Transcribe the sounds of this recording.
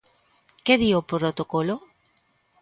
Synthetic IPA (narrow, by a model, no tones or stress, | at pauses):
keðiopɾot̪okolo